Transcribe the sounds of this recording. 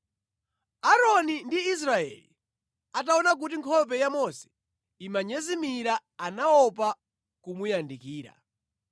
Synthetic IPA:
aɾɔnindiːs̬ɾaɛ̰lḭ | at̬aɔnak̬ut̬iŋkʰɔp̬ɛjamɔsɛ̥ | imaɲɛzimiɾaanaɔp̬a | kumujandikiːɾa̰

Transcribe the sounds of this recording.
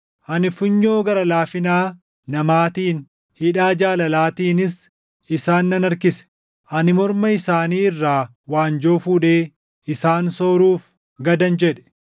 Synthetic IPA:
ʔɐnɪfʊɲːoːɡɐɾɐlaːfɪnaː | nɐmaːt̪iːn | hɪᶑaːd͡ʒaːlɐlaːt̪iːnɪs | ɪsaːnːɐnɐɾkɪsɛ̥ | ʔɐnɪmɔɾmɐɪsaːniːɪrːaː | waːnd͡ʒoːfuːᶑe̞ː | ɪsaːnso̞ːɾuːf | ɡɐd̪ɐnd͡ʒɛᶑɛ̥

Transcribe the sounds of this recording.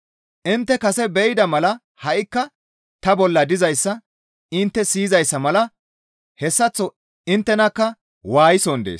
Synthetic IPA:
ʔɪnt̪ːɛkɐsɛbɛjɪd̪ɐmɐlɐ | hɐʔɪkːɐ | t̪ɐbɔlːɐd̪ɪzɐjsːɐ | ɪnt̪ːɛsiːzɐjsːɐmɐlɐ | hɛsːɐt͡sːɔ | ɪnt̪ːɛnɐkːɐ | waːjɪsɔnd̪ḛːs

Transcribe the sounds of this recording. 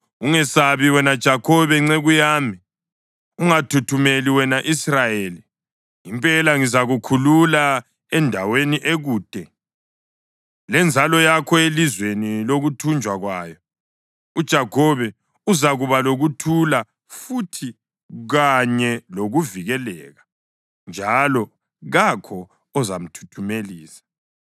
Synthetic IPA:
uŋɛsaβiwɛnad̥ʒ̥ʱakʰɔβɛŋ͡ǀɛɣujaːmi | uŋatʰutʰumeliwɛnaʔisrajeːli | impʼɛlaŋizaɣukʰulula | ɛndʱaweniʔeɣuːd̥ʼɛ | lɛnd͡zʱalɔjakʰɔelizweniloɣutʰund͡ʒʱwaɣwaːjɔ | ud̥ʒ̥ʱaɡʰɔβɛ | uzaɣuβaloɣutʰula | futʰi | ɣaɲɛloɣuviɣɛlɛ̰ːɣa | nd͡ʒʱalɔ | ɣakʰɔː | zam̩tʰu̥tʰumeliːsḁ

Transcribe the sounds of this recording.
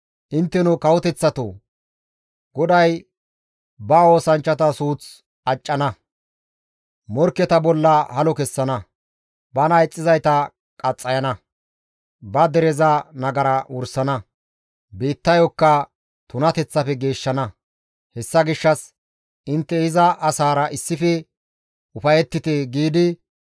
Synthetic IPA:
ʔɪnt̪ːɛnʊkɐwɔt̪ɛt͡sːɐt̪o̰ | ɡ̥ɔd̪ɐj | bɐo̞ːsɐnt͡ʃːɐt̪ɐsuːt͡s | ɐt͡ʃʼːɐnɐ | mɔɾkːɛt̪ɐbɔlːɐhɐlɔkɛsːɐnɐ | bɐnɐjt͡sʼːɪzɐjt̪ɐ | kʼɐt͡sʼːɐjɐnɐ | bɐd̪ɛɾɛzɐnɐɡɐɾɐʊɾsɐnɐ | biːt̪ːɐjɔkːɐ | t̪ʊnɐt̪ɛt͡sːɐfɛɡe̞ːʃːɐnɐ | hɛsːɐɡɪʃːɐs | ɪnt̪ːɛɪzɐʔɐsaːɾɐʔɪsːɪfɛ | ʊfɐjɛt̪ːɪt̪ɛɡiːd̪ɪ

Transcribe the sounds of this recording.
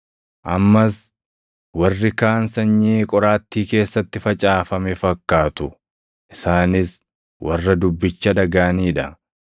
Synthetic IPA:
ʔɐmːɐs | wɐrːɪkaːnsɐɲːiːkʼɔɾaːt̪ːiːke̞ːsːɐt̪ːɪfɐt͡ʃʼaːfɐmɛfɐkːaːt̪ʊ | ʔɪsaːnɪs | wɐrːɐd̪ʊbːɪt͡ʃːɐd̪ɐɡaːniːᶑɐ

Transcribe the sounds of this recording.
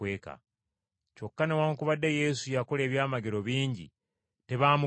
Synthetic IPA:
eːka̰ | co̞kːane̞waːŋkuβadːeje̞sujakole̞ːβjaːmaɡeɾo̞βiːɲɟḭ | te̞βaːmu

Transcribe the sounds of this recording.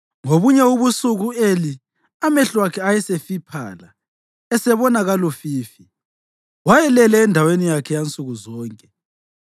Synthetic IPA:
ŋoβuɲɛuβusuɣueli | amɛɬwakʰɛajɛsefipʰa̰ːla̰ | ɛsɛβɔnaɣalɔfiːfi | wajɛlɛlɛːndʱawenijakʰɛjant͡sʼuɣuzɔːŋkʼɛ

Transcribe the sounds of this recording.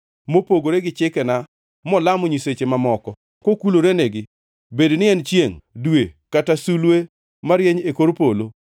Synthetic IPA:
mopoɡoɾeɡɪt͡ʃɪkɛna | mɔlamɔɲiset͡ʃemamɔkɔ | kokuloɾeneɡɪ | bedonɪɛnt͡ʃjeŋdwekatasulwe | maɾjeɲekoɾpolo

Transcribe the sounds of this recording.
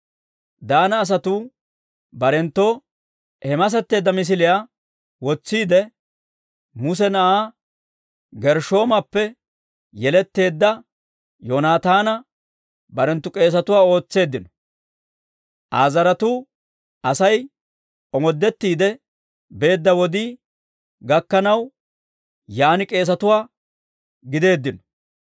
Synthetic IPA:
d̪aːnɐːs̬ɐt̪uː | bɐɾɛnt̪ːoː | hɛmɐs̬ɛt̪ːe̞ːd̪ːɐmɪs̬ɪlɪjaː | wɔt͡sːiːd̪ɛ | mʊs̬ɛnɐʔaː | ɡɛɾʃo̞ːmɐpːɛ | jɛlɛt̪ːe̞ːd̪ːɐ | jonaːt̪aːnɐ | bɐɾɛnt̪ːʊkʼe̞ːs̬ɐt̪ʊwaːo̞ːt͡sːe̞ːd̪ːɪnɔ̥ | ʔaːzɐɾɐt̪uː | ɐsɐj | ɔmɔd̪ːɛt̪ːiːd̪ɛ | be̞ːd̪ːɐwɔd̪iː | ɡɐkːɐnɐw | jaːnɪkʼe̞ːs̬ɐt̪ʊwaː | ɡɪd̪e̞ːd̪ːɪnɔ̥

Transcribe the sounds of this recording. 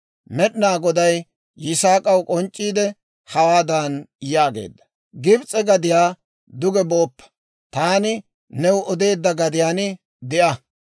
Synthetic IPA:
mɛɗnaːɡɔd̪ɐjː | ɪsaːkʼɐwkʼɔnt͡ʃʼːiːd̪ɛ | hɐwaːd̪anjaːɡḛːd̪ːɐ̥ | ɡɪbt͡sʼɛɡɐd̪ɪjaː | d̪ʊɡɛboːpːɐ̥ | t̪aːnɪ | nɛwʔɔd̪e̞ːd̪ːɐɡɐd̪ɪjaːnɪ | d̪ɪʔɐ

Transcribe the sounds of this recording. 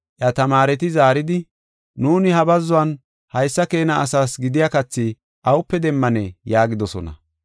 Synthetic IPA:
ʔjɐt̪ɐmaːɾɛt̪̬ɪzaːɾɪd̪ɪ | nuːnɪhɐbɐzːʊwɐn | hɐjsːɐke̞ːnɐːsaːsɡɪd̪ɪjakɐt͡sːɪ | ʔɐwʊpːɛd̪ɛmːɐnɛjaːɡɪd̪ɔsɔ̰nɐ̰

